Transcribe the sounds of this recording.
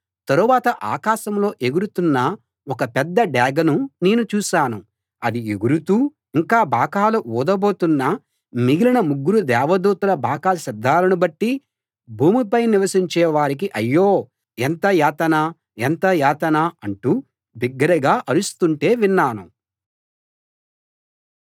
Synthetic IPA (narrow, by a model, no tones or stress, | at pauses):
t̪ɐɾuʋaːt̪ɐʔaːkaːʃɐmlo̞ːʔeɡuɾut̪unːɐ | wɔkɐpɛd̪ːɐɖɛːɡɐnune̞ːnut͡ʃuːʃaːnu | ɐd̪ieɡuɾut̪uː | iŋkaːbʱaːkaːluuːd̪ɐbo̞ːt̪unːɐ | miɡilinɐmuɡːuɾud̪ɛːʋɐd̪uːt̪ɐlɐbʱaːkaːɐsid̪ʱːaːlɐnubɐʈːi | bʱuːmipɐjniʋɐsiɲt͡ʃɛːʋaːɾik̬iʔɐjːoː | ɛnt̪ɐjaːt̪ɐnɐ | ent̪ɐjaːt̪ɐnɐɐɳʈuː | biɡːɐɾɐɡaːʔɐɾust̪uɳʈe̞ːʋinːaːnu